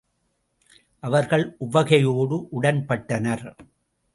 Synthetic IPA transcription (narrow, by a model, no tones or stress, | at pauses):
ʔɐʋɐɾɣɐɭʔʊbɐɣɐjoːɽɯʔʊɽɐnpɐʈːɐnɐɾ